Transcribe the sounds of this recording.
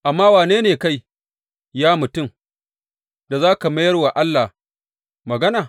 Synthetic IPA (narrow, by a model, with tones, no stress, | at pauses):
ʔa˨mːaː˦waː˨neː˦neː˨ka˦j | jaː˦mʊ˨tʊ˦˨m | da˨zaː˦ka˨mɐ˦jɐ˦rwa˨ʔa˦lːa˨ | mɐ˨ɡɐ˦naː˨